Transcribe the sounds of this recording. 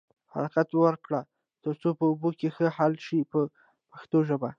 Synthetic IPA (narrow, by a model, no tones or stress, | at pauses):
ha̰ɾɑqat̪wəɾkɽa | t̪əɾt͡sopəʊbokexəhalʃipə | paxt̪oʒəba